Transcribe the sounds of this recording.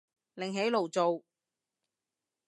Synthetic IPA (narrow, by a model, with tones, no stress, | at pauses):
lɪ˨˩ŋɦe˨˥jlo˨wt͡so˨w